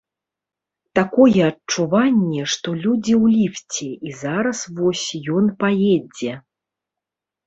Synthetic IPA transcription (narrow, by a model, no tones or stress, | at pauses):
t̪akɔjɛɐt͡ʂuvanʲːɛʂt̪ɔlʲud͡zʲiwlʲift͡sʲɛizaɾɐsvɔsʲjɔnpajɛd͡zʲɛ